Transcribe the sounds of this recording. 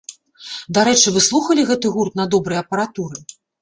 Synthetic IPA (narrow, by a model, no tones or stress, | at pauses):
d̪aɾɛt͡ʂɨvɨslˠuxɐlʲiɣɛt̪ɨɣurt̪nɐd̪ɔbɾɐjɐpɐɾat̪uɾɨ